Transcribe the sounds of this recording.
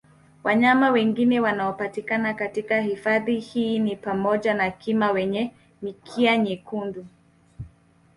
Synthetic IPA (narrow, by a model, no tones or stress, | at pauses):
waɲamawɛŋɡinɛwanaɔpatikanakatikahifaðihiːnipamɔʄanakimawɛɲɛ | mikʰiaɲikundu